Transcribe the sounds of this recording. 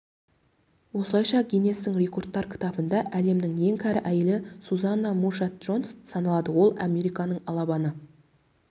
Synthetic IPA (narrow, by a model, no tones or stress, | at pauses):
wo̞səlˠɑjʃɑɡʲine̞st̪ɪŋrʲe̞ko̞rt̪ːɑɾkʲʰɪ̥t̪ɑbənd̪ɑʔæle̞md̪ɪŋje̞ŋkʲʰæɾɪʔæjɪlɪsuzɑnːamurʃɑt̪̚ʒ̥o̞nssɑnɑlˠɑd̪əwo̞lˠɑmʲe̞ɾijkɑnəɴɑlˠɑbɑnə